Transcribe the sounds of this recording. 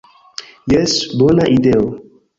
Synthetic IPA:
jɛsbonaʔideo

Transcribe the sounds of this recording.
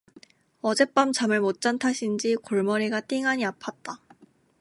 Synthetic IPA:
ʌd͡ʑe̞p͈amt͡ɕamɯɭmot͡ɕ͈antʰaɕʰind͡ʑikoɭmʌɾiɡat͈iŋaɲiapʰat̚t͈a

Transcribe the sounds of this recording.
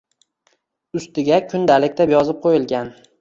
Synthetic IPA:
ʊst̪ɪɡʲakʰʊnd̪alɪk̚ʲt̪abjɒzɪp̚qʰojɪlˠɡʲan

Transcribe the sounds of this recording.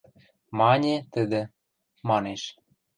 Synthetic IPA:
mɑnʲet̪ə̆d̪ĕ | mɑneʃ

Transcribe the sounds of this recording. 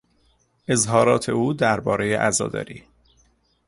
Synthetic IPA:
ʔe̞zɦɒːɾɒːt̪ʰe̞uːd̪æɾbɒːɾe̞jeʔæzɒ̰ːd̪ɒ̰ːɾiː

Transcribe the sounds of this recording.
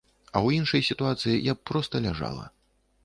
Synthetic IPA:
ɐwinʂɐjsʲit̪uat̪sɨjijappɾɔst̪ɐlʲaʐa̰lˠɐ̰

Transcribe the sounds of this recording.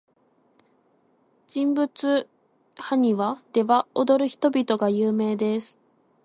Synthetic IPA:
d͡ʑĩmbɯ̟t͡sɨ | haɲ̟iβad̪̥e̞βaod̪o̞ɾɯ̟çi̥t̪o̞bʲit̪o̞ɡajɯːme̞ːd̪e̞sɨ̥

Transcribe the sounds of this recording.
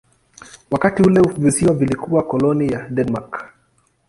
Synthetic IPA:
wakatiulɛvisiwavilikuwakɔlɔnijadɛnmak

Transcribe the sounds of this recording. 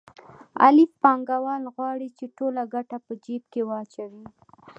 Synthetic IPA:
a̰lɪfpɑŋɡawɑlɣwɑɽit͡ʃeʈolaɡaʈapəd͡ʒeb̚kewɑt͡ʃawi

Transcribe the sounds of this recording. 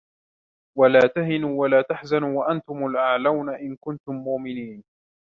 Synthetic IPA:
walaːt̪aɦɪnuːwalaːt̪aħzanuːwaʔant̪ʊmalʔaʕlawnaʔɪnkʊnt̪ʊmːʊʔmɪniːn

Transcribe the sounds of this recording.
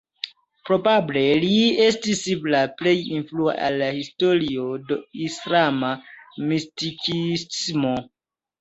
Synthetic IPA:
pɾo̞bable̞liestisːiplaplejinflua̰ʔa̰lːahistoɾiodoislamamistikismo

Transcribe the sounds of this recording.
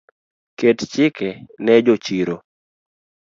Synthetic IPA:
kett͡ʃɪkɛnɛd͡ʒot͡ʃiɾo

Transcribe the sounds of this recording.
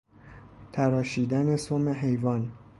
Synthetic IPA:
t̪ʰæɾɒːʃiːd̪æne̞someɦe̞jvɒːn

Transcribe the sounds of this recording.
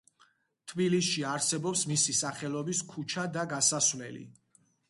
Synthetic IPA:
t̪ʰbilisʃiaɾsɛbɔpsmisisaχɛlˠɔbiskʰut͡ʃʰad̪aɡasasvlɛlḭ

